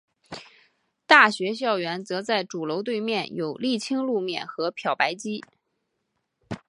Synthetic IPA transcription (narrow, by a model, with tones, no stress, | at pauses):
t̪a˥˩ɕɥɛ˧˥ɕ̬jɑ˥˩ʊɥɛ˧˥nt͡sɤ˧˥t͡sa˥˩ɪʈ͡ʂu˨˩lo˧˥ʊt̪̬we˥˧ɪmjɛ˥˩njo˨˩ʊli˥˩t͡ɕʰi˥ŋlu˥˧mjɛ˥˩nxɤ˧˥pʰjɑ˨˩ʊpa˧˥ɪt͡ɕi˥